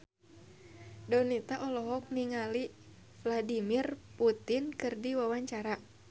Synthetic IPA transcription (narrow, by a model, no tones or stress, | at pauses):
dɔnit̪aʔɔlɔɦɔk̚niŋali | fladimirput̪inkɨrdiwawaɲt͡ʃaɾa